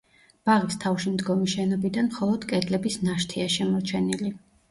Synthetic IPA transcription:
b̥aʁist̪ʰafʃimd̪ɡɔmiʃɛnɔbid̪anmχɔlˠɔd̪̥kʼɛd̪lɛbisnaʃt̪ʰiaʃɛmɔɾt͡ʃʰɛnili

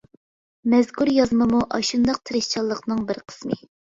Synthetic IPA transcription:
mɛzkʰuɾjɑzmɨmuʔɑʃund̪ɑq̚t̪ʰɨɾɨʃt͡ʃʰɑlˠːəqnɨŋbɪɾqʰə̥smɨ

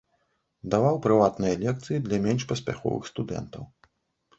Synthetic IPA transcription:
d̪avawpɾɨvat̪nɨjɐlʲɛk̚t̪sɨjid̪lʲɐmʲɛnʂpɐsʲpʲaxɔ̰vɨ̰xst̪ud̪ɛ̰nt̪ɐw

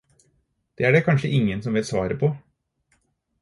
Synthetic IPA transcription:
d̪̥eːæɖɛkʰɑnʂəʔɪŋːənsɔmʋɪlsʋɑːɾəpʰɔ

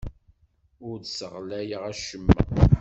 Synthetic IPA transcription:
ʊɾd̪səʁlæjəʁæʃəmːæ̰

